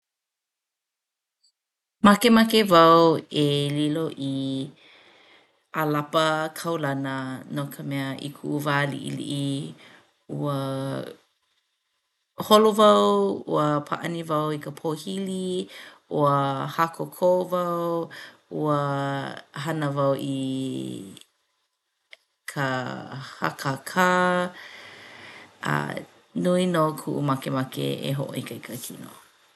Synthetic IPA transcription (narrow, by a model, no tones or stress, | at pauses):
mɐkemakevɐweliloʔi | alapəkʰɐwlɐnənokʰəmɛəʔḭkʰuʔvaːlḭʔḭlḭʔi | uə | holovɐwṵəpʰa̰ʔɐ̰nivɐwikəpʰohili | uəhakokʰovɐw | uə | ɦɐnəvɐwʔi | kʰəha̰kʰakʰa | a̰ | nuinokʰuʔumɐkemɐkḛḛɦoʔo̰ikɐikʰɐkʰino̰